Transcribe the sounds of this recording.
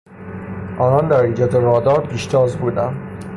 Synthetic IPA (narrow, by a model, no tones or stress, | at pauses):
ʔɒːnɒːnd̪æɾind͡ʒæd̪eɾɒːd̪ɒːɾpʰiːʃt̪ʰɒːzbuːd̪ænd̪